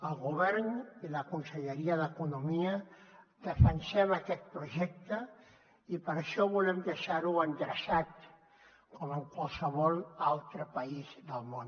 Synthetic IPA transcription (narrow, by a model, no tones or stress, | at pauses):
əlˠɣuβɛɾniləkunsəʎəɾiəðəkunumiəd̪əfənsɛməkɛt̪̚pɾuʒɛk̚t̪ə | ipəɾʃɔβulɛmd̪əʃaɾuənd̪ɾəsat̪ | kɔməŋkwalˠsəβɔlˠalˠt̪ɾəpaizðəlˠmon